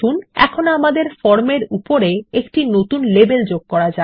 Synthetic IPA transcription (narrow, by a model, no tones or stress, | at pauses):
unɛ̰kʰonoamad̪eɾfɔɾmeɾupoɾeekʈinot̪unlebeld͡ʑoɡ̚kɔɾad͡ʑa